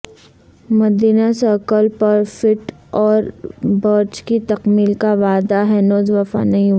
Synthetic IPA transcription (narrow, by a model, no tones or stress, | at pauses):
mɐd̪iːnasəɾkəlpɐɾfɪʈɔːɾbəɾt͡ʃkit̪ɐqmiːlkaʋaːd̪aɦɛnoːzʋɐfa̰nɐĩ